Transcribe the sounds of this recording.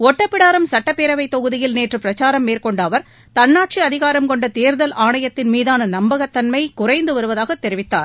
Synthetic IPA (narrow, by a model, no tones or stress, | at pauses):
ɔʈːɐpːɪɽaːɾɐmsɐʈːɐpːeːɾɐʋɐɪt̪ːɔɣɯðɪjɪlneːʈrɯpɪɾɐt͡ʃaːɾɐmːeːɾkɔɳɖaːʋɐɾ | t̪ɐnːaːʈt͡ʃiɐðɪɣaːɾɐmkɔɳɖɐt̪eːɾðɐlʔaːɳɐjɐt̪ːɪnmiːðaːnɐnɐmbɐɣɐt̪ːɐnmɐɪkʊrɐɪnd̪ɯʋɐɾɯʋɐðaːɣɐt̪ːɛɾɪʋɪt̪ːa̰ːɾ